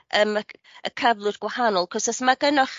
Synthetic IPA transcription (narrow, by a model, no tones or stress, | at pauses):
ʔəːmə | ə̰kʰəvlˠʊdɡwahanɔlˠkʰɔsɔsmaɡənɔχ